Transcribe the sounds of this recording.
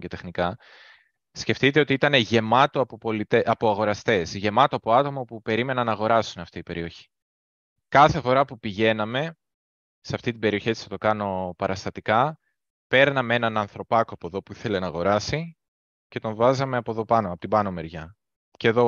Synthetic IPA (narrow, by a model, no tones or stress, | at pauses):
ce̞t̪exnikɐ | sce̞ft̪it̪eo̞t̪iit̪ɐne̞ʝe̞mɐt̪o̞ɐpopo̞lit̪eʔɐpo̞ɐɣo̞ɾɐst̪e̞sʝe̞mɐt̪oɐpo̞ɐt̪o̞mɐpupe̞ɾime̞nɐnɐːɣo̞ɾɐsunɐft̪iipe̞ɾio̞çi̥ | kɐθe̞fo̞ɾɐpupiʝe̞nɐme̞ | seɐft̪it̪̬ibe̞ɾio̞çei̥sθɐt̪o̞kɐno̞pɐɾɐst̪ɐt̪ikɐ | pe̞ɾnɐmee̞nɐnɐnθɾo̞pɐkoɐpo̞ðo̞puiθe̞le̞nɐːɣo̞ɾɐsi | ce̞t̪o̞ɱvɐzɐme̞ɐpo̞ðo̞pɐnoɐpo̞t̪ibɐno̞me̞ɾʝɐ | ce̞ðo̞